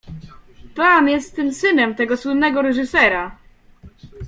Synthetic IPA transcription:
pamjɛst̪ːɘmsɘnɛmt̪ɛɡɔswɘnːɛɡɔɾɛʐɨsɛɾa

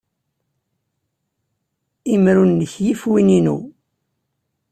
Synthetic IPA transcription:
imɾunːəçjifwininṵ

